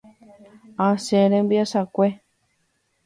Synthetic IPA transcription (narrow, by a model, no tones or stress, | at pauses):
ãsẽɾẽmbiasakʷe